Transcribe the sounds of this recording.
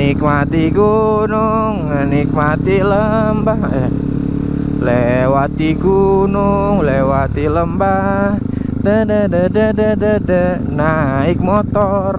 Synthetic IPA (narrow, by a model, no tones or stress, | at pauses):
nikmat̪iɡunuŋːənikmat̪iləmbahɛ | lewat̪iɡunuŋlewat̪iləmbah | dədədədədədədə | naɪk̚mɔt̪ɔr